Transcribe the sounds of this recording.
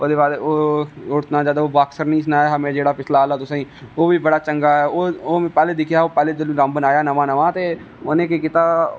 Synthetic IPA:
oːd̪eːbaːleoːʊɾt̪nãːd͡ʒaːd̪aoːbaːksəɾnəĩːs̬ənaːjaːɦəmẽːd͡ʒeːɽaːpɪslaːlɛːt̪ʊsãĩːoːʋiːbəɽaːt͡ʃəŋɡaːɦɛːoːoːmẽːpɛːleːd̪ɪkʰjaːoːpɛːleːd̪ɪliɾə̃mbənaːjaːnəʋãːnəʋãːt̪eː | onẽːkekɪt̪aː

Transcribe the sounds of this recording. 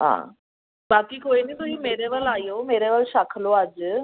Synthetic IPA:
ɦã̰ | bakiːkoiniːt̪uɦiːmeɾeʋəɭajomeɾeʋəɭɕakʰload͡ʑ

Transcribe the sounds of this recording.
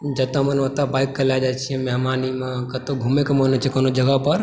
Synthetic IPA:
d͡ʒət̪amənʋət̪abaikːəljad͡ʒat͡ʃʰiɛ̃mɛɦmanimẽkət̪oɡʱumekemənet͡ʃʰikənod͡ʒəɡəpəɾ

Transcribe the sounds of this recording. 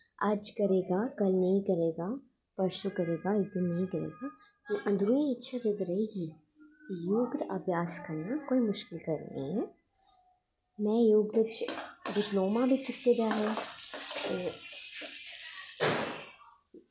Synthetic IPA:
ad͡ʒkɐɾeːɡakɐlnɐɦĩkɐɾeːɡa | pɐɾʃukɐɾeːɡaɪt̪innɐɦĩkɐɾḛːɡa | kiʔɐ̃nd̪ɾũːĩɪtːʃʰad͡ʒeːd̪ɾɐɦeːɡi | kijuːɡd̪ɐbʱjaːskɐɾnakoːimʊʃkɪlkɐɾnḛɦɛ̃ | mɛ̃juːɡd̪ət͡ʃɖɪploːmabʱitɪkt̪ed͡ʒaɦɛt̪oː

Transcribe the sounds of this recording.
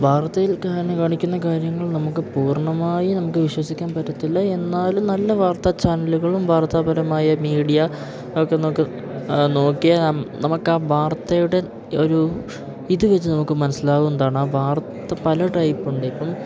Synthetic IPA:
bʱaːrt̪ɐjilkaːɾɐnɨkaːɳikʲːun̪ːɐkaːɾjɐŋːɐɭnɐmukːɨpuːrɳɐmaːjinɐmukːɨʋiɕwɐsikʲːaːnpɐtːɐt̪ːilːɐe̞nːaːlumnɐlːɐʋaːrt̪ɐt͡ɕaːnɐluɣɐɭumbʱaːrt̪aːbɐɾɐmaːjɐmiːɽijɐ | okːenɐmukːɨ | no̞ːkːijɐnɐmukːaːbʱaːrt̪ːɐjuɽe̞ | o̞ɾu | iðuʋɐt͡ɕːɨnɐmukːɨmɐnɐsilaːɣumenɐðd̪aːɳɨaːbʱaːrt̪ːɐpɐlɐʈɐjipːuɳɖɨipːɐm

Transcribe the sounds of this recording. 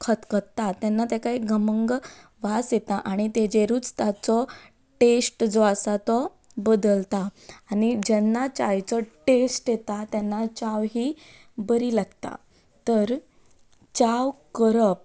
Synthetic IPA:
kʰət̪kət̪at̪ɛnːat̪̬ekaɦiɡəməŋɡ | ʋasjet̪aʔaɽ̃it̪ed͡ʑeɾuːt͡st̪at͡sɔ | ʈesʈd͡zɔasat̪ɔ | bəd̪əlt̪aːñid͡ʑɛnːat͡ɕajt͡sɔʈesʈjet̪at̪jɛnːat͡ɕaʋɦiː | bəɾiːlaɡt̪a̰ | t̪əɾ | t͡ɕawkəɾəp̚

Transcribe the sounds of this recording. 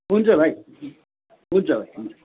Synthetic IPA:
ɦunt͡sʰʌbʱaj | ɦunt͡sʰʌbʱajɦunt͡sʰʌ̥

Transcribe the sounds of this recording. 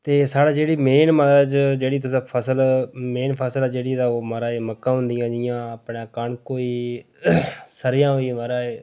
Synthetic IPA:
t̪eːsaːɽaːd͡ʒeːɽiːmeːnməd͡ʒd͡ʒeːɽiːt̪ʊsãːpʰəsəlmeːnpʰəsəlaːd͡ʒeːɽiːd̪aːoːməɾaːeːməkːãːɦʊ̃nd̪ijãːd͡ʒɪjãːəpɳãːkəɳkoːiː | səɾɪjãːɦoːiːməɾaːeː

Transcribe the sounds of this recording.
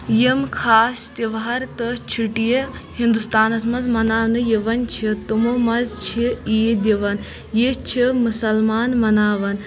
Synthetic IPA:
jimkʰaːst̪ʲiʋɦɐɾt̪ɨt͡ʃʰiʈijehind̪ust̪aːnɐsmɐzmɐnaːʋnɨjiʋɐnt͡ʃʰit̪umomɐzt͡ʃʰiid̪ʲiʋɐn | jit͡ʃʰimusɐlmaːnmɐnaːʋɐn

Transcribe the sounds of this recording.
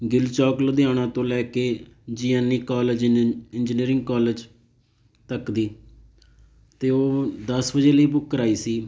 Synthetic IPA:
ɡɪlt͡ʃɔːkləd̪jãːɽãːt̪õːlɛːkeːd͡ʒiːɛːniːkaːləd͡ʒɪnd͡ʒɪniːɾɪ̃ŋɡkaːləd͡ʒ | t̪əkd̪iː | t̪eːoːd̪əsbəd͡ʒeːləiːbʊkːəɾaːiːsiː

